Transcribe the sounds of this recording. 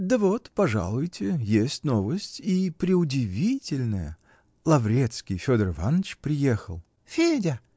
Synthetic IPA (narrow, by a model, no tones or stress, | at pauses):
d̪əvot̪pɐʐa̰lˠʊjtʲɪjesʲtʲnovəsʲtʲipɾʲɪʊdʲɪvʲitʲɪlʲnəjə̰ | lˠɐvɾʲet̪skʲɪjfʲod̪ərva̰nt͡ɕpɾʲɪjexəlˠ | fʲedʲə